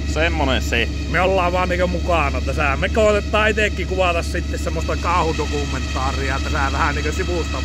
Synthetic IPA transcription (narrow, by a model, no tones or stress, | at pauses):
semːonense | meolːɑːʋʋɑːnniːkømukɑˑnɑt̪æsæmekoˑet̪et̪ːˑɑːit̪eˑkːikuʋɑˑt̪ɑssit̪ːessemːost̪ɑkɑˑuhut̪okumːˑent̪ːˑɑːriɑt̪æsæʋæhæniːŋkøsiʋuˑst̪ɑ